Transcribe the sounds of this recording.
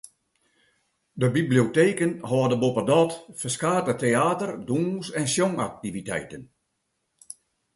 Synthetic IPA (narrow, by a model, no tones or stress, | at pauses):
dəbiblioteːkənhɔːdəbopədɔtfərskaːtəteaːtərduːnsɛnsjoŋak̚tivitɛ̰jtən